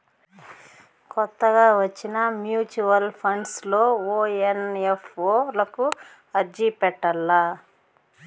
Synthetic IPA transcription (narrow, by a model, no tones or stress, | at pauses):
kɔt̪ːɐɡaːʋɐt͡ʃːinɐmjuːt͡ʃuʋɐlpʰɐɳɖslo̞ːoːenefoːlɐku | ɐɾd͡ʒiːpɛʈːɐlːɐ